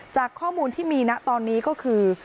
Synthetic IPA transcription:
t͡ɕaː˨˩kʰːɔː˥˩muː˧nt̪ʰiː˥˩miː˧na˦˥ʔt̪ɔː˧nːiː˦˥kɔː˥˩kʰɯː˧

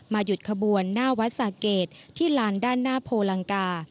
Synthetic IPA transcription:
maː˧ju˨˩t̪̚kʰa˧buː˧ənːaː˥˩wa˦˥t̪̚saː˨˩keː˨˩t̪̚ʰiː˥˩laː˧˥ndaː˥˩nːaː˥˩pʰoː˧la˧ŋkaː˧

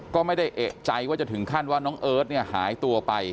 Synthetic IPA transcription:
kɔː˥˩ma˥˩jda˥˩jʔe˨˩ʔ̚t͡ɕa˧jwaː˥˩t͡ɕa˨˩t̪ʰɯ˩˦ŋkʰa˥˩nwaː˥˩nɔː˦˥ŋʔɤː˦˥t̪̚ni˥˩ɐha̰ː˩˦jt̪u˧ɐpa˧j

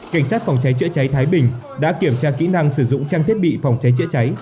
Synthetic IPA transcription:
ka˧˩jŋ̟saː˦˥t̚fa˨˩wŋ͡mt͡ɕa˨˦jt͡ɕə̰˧˥t͡ɕa˨˦jt̪ʰaː˨˦jɓï˨˩ŋ̟ | ɗa̰ː˧˥ki˧˩əmt͡ɕaː˧kḭ˧˥na˧ŋsɨ˧˩zʊ̰˧˨ŋ͡mt͡ɕaː˧ŋt̪ʰi˦˥ət̚ɓḭ˧˨fa˨˩wŋ͡mt͡ɕa˨˦jt͡ɕə̰˧˥t͡ɕa˨˦j

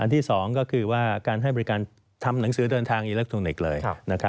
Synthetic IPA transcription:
ʔa˧nt̪ʰiː˥˩sɔː˩˦ŋkɔː˥˩kʰɯː˧waː˥˩kaː˧nɦa˥˩jbɔː˧ɾi˦˥kaː˧n | t̪ʰa˧mna˩˦ŋsɯː˩˦dɤː˧nt̪ʰaː˧ŋʔiː˧lɯː˦˥˩kt̪ʰu˧ŋne˨˩k̚lɤː˧jna˦˥kʰa˦˥

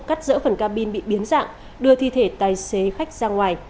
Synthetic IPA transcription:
ka˦˥jk̚zə̰ː˧˥fə˨˧˩nkaː˧ɓi˧nɓḭ˧˨ɓi˨˦ənza̰ː˧˨ŋ | ɗɨ˧ət̪ʰi˧˨t̪ʰe˧˩t̪aː˨˩jse˨˦xa˦˥jk̟̚zaː˧ŋwaː˨˩j

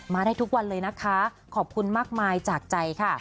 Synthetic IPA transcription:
maː˧ɾaː˥˩jt̪ʰu˦˥k̚wa˧nlɤː˧jna˦˥kʰa˦˥ | kʰɔː˨˩p̚kʰu˧nmaː˥˩k̚maː˧jt͡ɕaː˨˩k̚t͡ɕa˧jkʰa˥˩

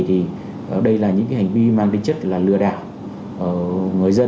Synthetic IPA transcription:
t̪ʰi˨˩ | ʔɗə˧jlaː˨˩ɲɨ̰˧˥ŋkːa˨˦ha˨˩ŋ̟vi˧maː˨˩nt̪ï˧ŋt͡ɕə˦˥t̚laː˨˩lɨ˨˩əɗaː˧˩w | ʔəː˧˩ŋɨ˨˩əjzə˧

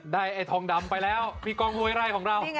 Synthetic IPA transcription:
daː˥˩jʔa˧˩jt̪ʰɔː˧˦ŋda˧mpa˧jlɛː˦˥wpʰiː˧˩kɔː˧˩ŋwu˧jɾa˧˩jkʰɔː˩˦ŋɾa˧˩w

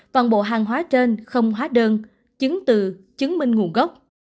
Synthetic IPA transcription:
va˨˩nɓo̰˧˨ɦaː˨˩ŋɦwaː˨˦t͡ɕe˧nxə˧wŋ͡mɦwaː˨˦ɗəː˧n | t͡ɕɨ˨˦ŋt̪ɨ˨˩t͡ɕɨ˨˦ŋmï˧ŋ̟ŋu˨˧˩ɣə˦˥wk͡p̚

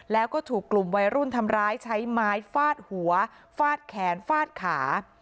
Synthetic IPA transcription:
lɛː˦˥wkɔː˥˩t̪ʰuː˨˩kːlu˨˩mwa˧jɾu˥˩nt̪ʰa˧mɾaː˦˥jt͡ɕʰa˦˥jmaː˦˥jfaː˥˩t̪̚hu˩˦ɐ | faː˥˩t̪̚kʰɛː˩˦nfaː˥˩t̪̚kʰaː˩˦

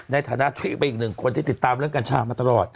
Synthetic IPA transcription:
na˧jt̪ʰaː˧˦na˦˥ʔt̪ʰi˦˥˩ma˧ʔi˨˩k̚nɯ˨˩ŋkʰu˧ənt̪iː˧˩t̪i˨˩t̪ːaː˧mɾɯ˥˩əŋkaː˧nt͡ɕʰaː˧˩maː˧t̪a˧lɔː˨˩t̪̚

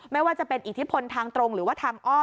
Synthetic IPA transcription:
ma˥˩jwaː˥˩t͡ɕa˨˩pe˧nʔi˨˩t̪ʰi˦˥pʰo˧nt̪ʰaː˧ŋt̪ɾo˧ŋɾɯː˩˦waː˥˩t̪ʰaː˧ŋʔɔː˥˩

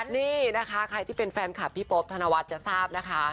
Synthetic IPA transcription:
niː˥˩na˦˥kʰa˦˥kʰɾa˧jt̪ʰiː˥˩pe˧nfɛː˧nkʰa˨˩pʰːiː˦˥˩po˦˥p̚t̪ʰa˧na˧wa˦˥t̪̚t͡ɕa˨˩saː˥˩p̚na˦˥kʰa˦˥

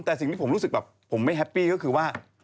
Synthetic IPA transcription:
mt̪ɛː˨˩si˨˩ŋt̪i˥˩˦ɾu˦˥sɯ˨˩k̚bɛː˨˩pʰːo˩˦mːa˥˩jɦɛ˦˥pːiː˥˩kɔ˥˩kʰɯː˧waː˥˩

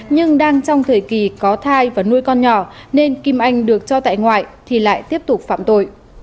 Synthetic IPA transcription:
ɲɨ˧ŋɗaː˧ŋt͡ɕɔ˧wŋ͡mt̪ʰəː˨˩jki˨˩kɔ˨˦t̪ʰaː˧jvaː˨˩nu˧jkɔ˧nɲɔ˧˩ne˧nki˧mʔa˧˩jŋ̟ɗɨ˨˩ək̚t͡ɕɔ˧t̪a̰ː˧˨jŋwa̰ː˧˨jt̪ʰi˨˩la̰ː˧˨jt̪i˦˥əp̚t̪ʊ˨˩k͡p̚fa̰ː˧˨mt̪o̰˧˨j

